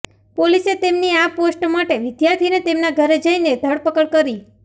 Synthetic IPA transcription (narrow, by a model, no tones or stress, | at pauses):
poliset̪emniaposʈmaʈeʋɪd̪jaɾt̪ʰinet̪emnaɡʱəɾed͡ʒəined̪ʱəɽpəkəɭkəɾi